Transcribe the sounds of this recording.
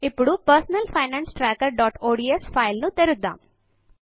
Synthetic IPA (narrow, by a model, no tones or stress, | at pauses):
ipːuɽupɐɾsnɐlpʰɐjnaːnsʈɾaːkɐɾɖɔːʈoːɖiespʰajlnut̪eɾud̪ːa̰ːm